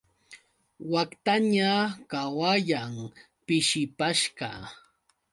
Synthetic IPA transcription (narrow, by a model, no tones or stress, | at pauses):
wakt̪aɲakawajam | pɪʃɪpaʃɢɑ̰